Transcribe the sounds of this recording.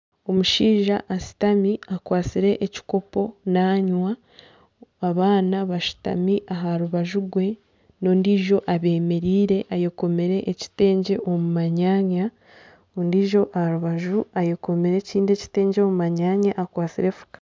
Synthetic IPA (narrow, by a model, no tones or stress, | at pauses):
o̞muʃiːʒaʔːʃi̥tamiakwaːt͡siɾe̞ʔːci̥ko̞po̞naːɲwa | aβaːnaβaʃi̥ta̰miʔaɦaɾuβaʒuɡwe̞ | no̞ːndiːʒo̞ʔaβe̞ːme̞ɾiːɾe̞ʔajeko̞me̞ɾe̞ʔːci̥te̞ːɲɟe̞ʔomumaɲaːɲa | ondiːʒo̞ʔahaɾuβaʒuajeko̞meɾe̞ciːndeci̥te̞ːɲɟeomumaɲaːɲaʔakwaːt͡siɾe̞fu̥kḁ